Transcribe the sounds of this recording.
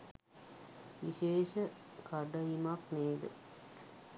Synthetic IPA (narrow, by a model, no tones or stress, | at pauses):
ʋiʃeːʃə | kaɖəimakneːd̪ə̰